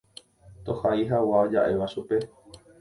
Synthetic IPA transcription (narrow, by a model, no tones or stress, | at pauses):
t̪o̞haiɦawaod͡ʒa̰ʔe̞ʋaʃupe̞